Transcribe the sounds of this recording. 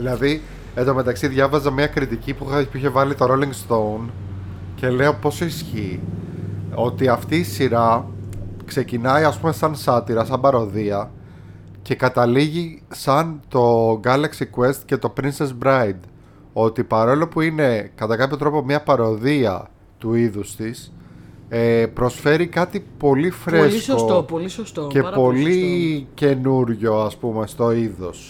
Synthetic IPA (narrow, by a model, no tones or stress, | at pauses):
ðilɐði | eðo̞me̞t̪ɐksiðʝɐvɐzɐmɲɐkɾit̪icipuxɐpiçe̞vɐlit̪o̞ɾo̞liŋɡst̪o̞un | ce̞le̞opo̞sisçi | o̞t̪iɐft̪iːsiɾɐ | kse̞cinɐiɐspume̞sɐnsɐt̪iɾɐsɐmbɐɾo̞ðiɐ | ce̞kɐt̪ɐliʝisɐnt̪o̞ɡɐlɐksikue̞st̪ce̞t̪o̞pɾinsezbɾɐjd̪ | o̞t̪ipɐɾo̞lo̞puine̞kɐt̪ɐkɐpço̞t̪ɾo̞po̞mɲɐpɐɾo̞ðiɐ̰ | t̪uiðust̪is | epɾo̞sfe̞ɾikɐt̪ipo̞lifɾe̞sksoopolisost̪oce̞po̞lice̞nuɾʝo̞ɐspume̞st̪o̞iðos